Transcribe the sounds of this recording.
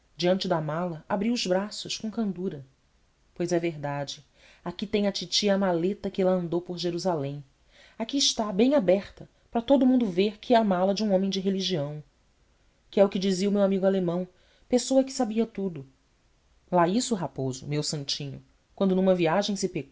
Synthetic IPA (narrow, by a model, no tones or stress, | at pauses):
d͡ʒiɐ̃nt͡ʃɪd̪ɐmalɐabɾiwʊzbɾasʊʃkõkɐ̃nd̪uɾɐ | pojzɛveɦd̪ad͡ʒɪ | akit̪ẽj̃ɐt͡ʃit͡ʃiamalet̪ɐkɪɛlɐɐ̃nd̪owpoɾʒeɾuzalẽj̃ | akiɪʃt̪abẽj̃abɛχt̪ɐ | pɾɐt̪od̪ʊmũnd̪ʊveɾkʰɪɛamalɐd͡ʒɪũõmẽj̃d͡ʒɪɦeliʒiɐ̃w̃ | kɪɛʊkɪd͡ʒiziɐumewamiɡʊalemɐ̃w̃ | pesoɐkɪ̥sabiɐt̪ud̪ʊ | laisʊɦapozʊ̰mewsɐ̃nt͡ʃĩɲʊ̰ | kwɐ̃nd̪ʊnũmɐviaʒẽj̃sɪpek